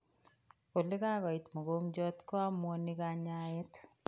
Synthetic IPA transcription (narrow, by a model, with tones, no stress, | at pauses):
o˨lɪ˦ka˦kɔ˨ɪ˨t̪mo˨ɡo˦md͡ʒɔ˦t̪kɔ˦a˦mwɔ˦nɪ˦ka˦ɲa˦ɛ˦t